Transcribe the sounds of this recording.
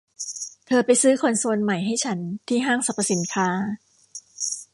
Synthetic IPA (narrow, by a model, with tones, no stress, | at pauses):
t̪ʰɤː˧pa˧jsɯː˦˥kʰo˧nsu˧ənma˨˩jɦa˥˩jt͡ɕʰa˦˥nt̪ʰiː˥˩ɦaː˥˩ŋsa˨˧˩pːa˧si˨˦nkʰaː˧˥